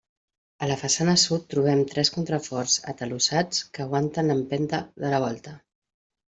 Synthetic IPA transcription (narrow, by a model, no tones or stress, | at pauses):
ələfəsanəsut̪ːɾuβ̞ɛmt̪ɾɛskunt̪ɾəfɔrz̥ə̰t̪əlusat͡skəːɣwant̪ənəmpɛnt̪əðələβ̞ɔlˠt̪ə